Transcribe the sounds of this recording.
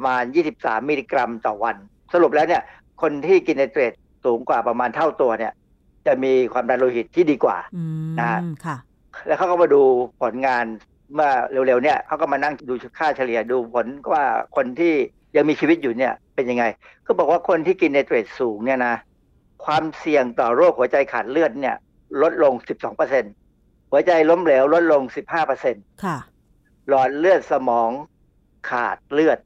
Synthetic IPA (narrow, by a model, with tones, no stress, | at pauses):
maː˧njiː˥˩si˨˩p̚sa̰ː˩˦mːiː˧liː˧kɾa˧mt̪ɔː˨˩wa˧n | sa˧ɾu˨˩p̚lɛː˦˥wni˥˩ɐ | kʰo˧nt̪ʰiː˥˩ki˧nːa˧jt̪ɾe˨˩t̪̚ | suː˩˦ŋkwaː˨˩pɾa˧maː˧nt̪ʰa˥˩wt̪u˧ɐni˥˩ɐ | t͡ɕa˨˩miː˧kʰwaː˧mdaː˧nloː˧hi˨˩t̪ʰːiː˥˩diː˧kwa̰ː˨˩na˦˥a˥ | lɛ˦˥kʰa˦˥˩ka˥˩ma˧duː˧pʰo˩˦nŋaː˧n | mɯ˥˩ɐɾe˧wle˧wni˥˩ɐkʰa˦˥wkɔ˥˩ma˧na˥˩ŋduː˧˦˥kʰaː˥˩t͡ɕʰa˧li˨˩ɐduː˧pʰo˩˦n˩waː˥˩kʰo˧nt̪ʰiː˥˩ | ja˧ŋmiː˧t͡ɕʰiː˧wi˦˥t̪̚juː˨˩ni˥˩ɐpe˧nja˧ŋa˧j | kʰɯː˧˥bɔː˨˩k̚waː˥˩kʰo˧nt̪ʰiː˥˩ki˧nːa˧jt̪ɾeː˨˩t̪̚suː˨˩˦ŋni˥˩ɐna˦˥ | kʰwaː˧msi˨˩əŋt̪ɔː˨˩ɾu˥˩ək̚hu˩˦ɐt͡ɕa˧jkʰaː˨˩t̪̚lɯ˥˩ət̪̚ni˥˩ɐ | lo˦˥t̪̚lo˧ŋsi˨˩p̚sɔː˩˦ŋpɤː˧se˧n | hu˩˦ɐt͡ɕa˧jlo˦˥mlɛː˩˦wlo˦˥t̪̚lo˧ŋsi˨˩p̚haː˥˩pɤ˧se˧nkʰ | lɔː˨˩t̪̚lɯ˥˩ət̪̚sa˧mɔː˩˦ŋ | kʰa̰ː˨˩t̪̚lɯ˥˩ət̪̚